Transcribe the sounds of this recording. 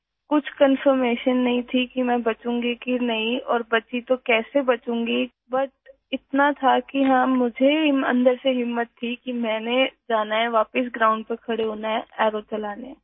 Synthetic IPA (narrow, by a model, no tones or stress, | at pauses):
kʊt͡ʃʰkənfəɾmeːʃənːɐɦĩt̪ʰikimɛ̃ːbɐt͡ʃũːŋɡikinɐɦĩɔːɾbɐt͡ʃit̪okɛːsebɐt͡ʃũːŋ̆ɡi | bɐʈ̚ | ɪt̪nat̪ʰakiɦamːʊd͡ʒʱeɪmɐ̰̃nd̪əɾseɦɪmːət̪ʰːikimɛ̃ːned͡ʒaːnaɦɛ̃ʋaːpɪs̬ɡɾaːʊ̃ɳɖ̚pɐɾkʰɐɽeɦoːnaɦɛ̃ɛːɾot͡ʃɐlaːne